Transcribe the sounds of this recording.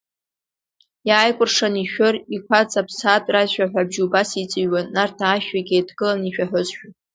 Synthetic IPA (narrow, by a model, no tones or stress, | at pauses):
jaːjkʷʼʊrʂaniʃᶣʊrikʷʰat͡sʼapʰsatʼrazʃᶣaħʷᶣabʒubasit͡sʼiɥwanːartʰaːʃᶣaɡʲejdɡɨlaniʃᶣaħʷᶣʊzʃᶣa